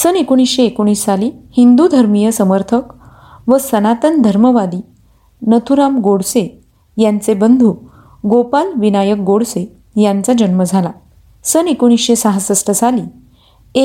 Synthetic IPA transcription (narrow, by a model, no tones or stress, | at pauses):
sənekoɽ̃isɕeːkoɽ̃iːsːaliːhind̪ud̪ʱəɾmijəsəməɾt̪ʰək | ʋəsənat̪ənd̪ʱəɾməʋad̪iː | nət̪ʰuɾamɡoɽse | jant͡sebənd̪ʱu | ɡopalʋinajək̚ɡoɽse | jant͡sad͡ʑənməd͡zʱala | sənekoɽ̃isɕesaɦasəsʈʰəsaliː | e